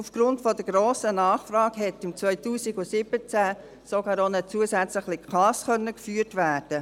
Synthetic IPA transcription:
ufɡ̥ɾʊntfɔdəɡɾoːsənɑːχfrɑːɡ̥ɦɛtɪmt͡sʋœʏtuːsiɡʊsɪb̥ət͡sæ | sɔɡɑːɾonət͡suəsæt͡sləχlɪχɑːskœnːəkfyːɾtʋæːrd̥ə

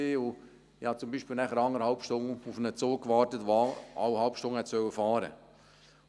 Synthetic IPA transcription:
eːʊ | ɪhɑt͡sʊmbiːʃpiːlnæχəɾɑŋəɾhɑlpʃtʊŋʊfnət͡suːkːʋɑːɾtətʋaɑ̰wəhɑlpʃtʊŋhɛtsœwəfɑːɾə̰

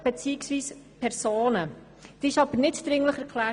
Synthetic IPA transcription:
b̥ɛt͡siːɪksviːspʰɛɾsoːnə | d̥iɪʃɑb̥əɾnɪtd̥̪ɾɪŋləχɛɾkʰlæː

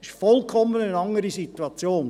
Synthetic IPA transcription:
ɪʃfɔlˠkʰɔmːənənɑŋəɾisit̪uɑt͡sjoːn

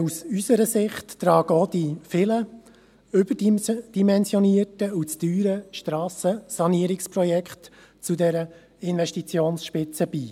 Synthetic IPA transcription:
usysəɾəsɪχtːɾɑːɡ̥əod̥ifɪlə | ʏbədd̥imɛnsjɔniətəut͡styːɾəʃtɾɑːsəsɑniəɾɪksprɔjɛkχt | t͡sudɛɾə | ɪnʋɛʃtit͡sjoːnsʃpɪt͡səb̥iː

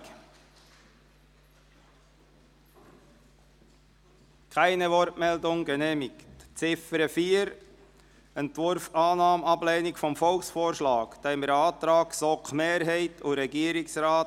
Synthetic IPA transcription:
kʰæɪnəʋɔɾtmɛldʊŋɡɛnɛːmɪktt͡sɪfəɾəfiːəɾ | ɛntʋʊɾfɑːnɑːmɑblɛːnɪkfɔmfɔlksfoːɾʃlɑːkd̪̥ɛɪməɾɑːt̪ɾɑːksɔkχmeːɾɦɛɪtʰʊɾɛɡiːəɾɪksɾaːt

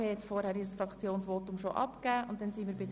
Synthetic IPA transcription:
eːhɛtfɔɾhæɾiːɾəsfɾɑkt͡sjoːnsʋoːtʊmʃoʔɑ̰pkæːʔʊ̰ntdɛnsinmiːɾbɪd

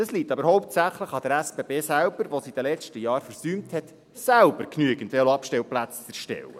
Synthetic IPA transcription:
d̥ɑsliːtːɑbəɾhɔʊp̚tsæχləχɑd̥̪əɾæsb̥eːbeːsælb̥əɾʋosid̥̪əlɛt͡ʃtəjɑːɾfəɾsyːmthɛt | sælbəɾknyəɡ̥əntʋɛloɑpʃtɛlplæt͡st͡sɛɾʃtɛ̰wə̰

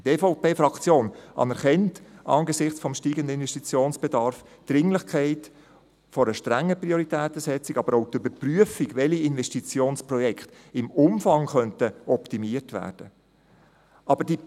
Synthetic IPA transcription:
teːfoʊpeːfɾɑkt͡sjoːnʔɑ̰nɛɾχɛntɑ̰ŋɡəsɪχt͡sfɔmʃtiːɡəndəɪnʋɛʃtit͡sjoːnsb̥ɛdɑɾf | d̥ɾɪŋlɪχkʰɛɪt | fɔɾəʃtɾæŋːəpriɔɾitɛːtəsɛt͡siɡɑbəɾoʊt̪øbəɾpryəfiɡʋɛliɪnʋɛʃtit͡sjoːnsprɔjɛkχt | ɪmʊmfɑŋχœntəɔptimiətʋæ̰ːɾd̥ə | ʔɑb̥əɾd̥i

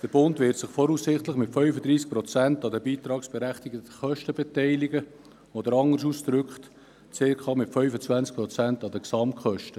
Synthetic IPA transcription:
d̥əɾbʊndvɪtsɪχfɔɾuːssɪχtləχmɪtfœʏfəd̪ɾiːsk̚pɾɔt͡sæntɑdəbiːt̪ɾɑːksb̥ɛɾæχt̪ɪɡətəχœʃtəbɛtɛɪlɪɡə | od̪əɾɑŋəs̬uːsd̪ɾʏkχt | t͡sekχɑːmɪtfœʏfət͡svænst͡sk̚pɾɔt͡sæntɑd̪əksɑmtχœʃtə

